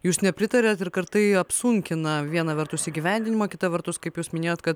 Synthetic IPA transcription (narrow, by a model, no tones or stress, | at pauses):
juːsnʲɛpʲɾʲɪt̪ɐɾʲɛːt̪ɪɾkɐɾt̪ɐɪɐpsʊŋʲkʲɪnɐʋʲiɛnɐʋʲɛɾt̪ʊsiːɡʲiʋʲɛnʲd̪ʲɪnʲɪmɐkʲɪt̪ɐʋʲɛɾt̪ʊskɐɪpjuːsmʲɪnʲeːjoːt̪kɐt̪